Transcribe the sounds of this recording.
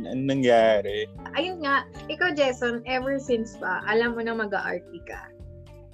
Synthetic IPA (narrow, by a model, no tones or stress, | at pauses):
nʔɐŋnɐŋjaːɾɛʔɐjʊnŋaʔʔɪkawd͡ʒejsonʔɛvɛɹsɪnspɐʔɐlamːonɐŋmɐɡa̰ʔa̰ɹt̪̚ikɐ̰